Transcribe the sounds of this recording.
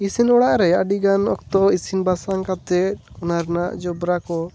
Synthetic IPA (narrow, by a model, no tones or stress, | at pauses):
isinɔɽaʔɾɛaɖiɡanɔk̚t̪ɔisinbasaŋkat̪ɛt̪̚ɔnaɾnaʔd͡ʒɔbɾakɔ